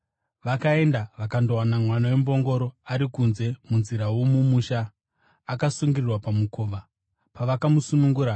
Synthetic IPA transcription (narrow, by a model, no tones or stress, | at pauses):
ʋakae̞ndaʋakandowanamwanawembo̞ŋɡo̞ɾo̞aɾikunze̞munziɾawomumuːʃaː | kasuŋɡirirwapamukʰo̞ːʋa | paʋakamusunuŋɡuːɾa